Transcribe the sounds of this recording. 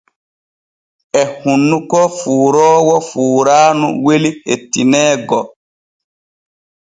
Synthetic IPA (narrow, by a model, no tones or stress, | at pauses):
ɛhunːukɔfuːɾɔːwɔfuːɾaːnṵwelihetːinɛːɡɔ